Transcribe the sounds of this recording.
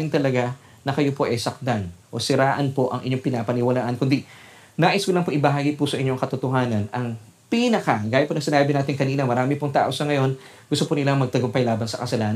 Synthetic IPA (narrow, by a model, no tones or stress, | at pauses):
ɪŋt̪ɐlɐɡa | nɐkɐjo̞po̞ʔɐjsɐk̚t̪anʔo̞̰sɪɾaːʔɐnpo̞ʔɐ̰ŋʔɪ̰ɲːoŋpɪnapɐnɪwɐlaːʔɐnkʊnd̪i | naːʔɪskʊlɐŋpoŋʔɪbɐɦaːɡipʊsɐʔɪɲːoŋkɐt̪ʊt̪oɦaːnɐnɐŋ | pinɐkaŋɡaːjɪt̪ponɐŋsɪnaːbɪnaːt̪ɪŋkɐniːnɐmɐɾaːmɪpoŋt̪a̰ːʔo̞sɐŋɐjo̞n | ɡʊst̪opʊnɪlaŋmɐɡ̚t̪ɐɡompɐjlaːbɐnsɐkɐsɐlaːn